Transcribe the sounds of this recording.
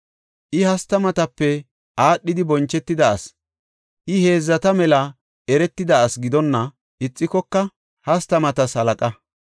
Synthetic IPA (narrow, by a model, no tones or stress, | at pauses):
ʔɪhɐst̪ɐmɐt̪ɐpːɛ | ʔaːɗːɪd̪ɪbɔnt͡ʃːɛt̪ːɪd̪ɐɐ̰s | ʔɪhe̞ːzːɐt̪ɐmɛlɐ | ʔɛɾɛt̪ːɪd̪ɐːsɡɪd̪ɔnːɐ | ʔɪt͡sʼːɪkɔkːɐ | hɐst̪ɐmɐt̪ɐshɐlɐkʼɐ